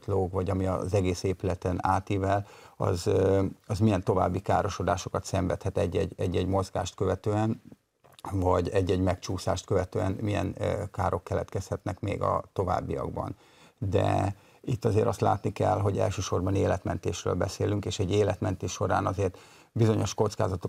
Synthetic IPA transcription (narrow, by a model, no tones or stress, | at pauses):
t̪loːɡvɒɟɒmiɒ̰zɛɡeːseːpylɛt̪ɛnaːt̪ivɛlɒ̰zɒzmijɛnt̪o̞va̰ːbːikaːɾo̞ʃo̞d̪aːʃo̞kɒt̪sɛɱvɛt̪hɛt̪ɛɟːɛɟːɛɟːɛɟmo̞zɡa̰ːʃt̪køvɛt̪øːɛn | vɒɟɛɟːɛɟmɛkt͡ʃuːsaːʃt̪̚køvɛt̪øːɛnmijɛ̰nkaːɾo̞kːɛlɛ̰t̪kɛshɛt̪nɛkmḛːɡɒ̰t̪o̞va̰ːbːijɒ̰ɡ̚bɒ̰n | d̪ɛ̰ | it̪ːɒzeːɾɒst̪la̰ːt̪nikɛ̰lɦo̞ɟɛ̰lʃøːʃo̞rbɒneːlɛt̪mɛnt̪eːʃrø̰ːlbɛseːlyŋkeːʃɛɟːeːlɛt̪mɛnt̪eːʃʃːo̞ɾaːnɒzeːrt̪ | bizo̞ɲo̞ʃko̞t̪skaːzɒt̪o